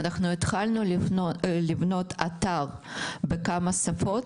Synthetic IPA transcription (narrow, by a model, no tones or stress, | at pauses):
naχnuet̪χalnu | livno̞t̪ʰat̪aʁbekamɐsɐfo̞t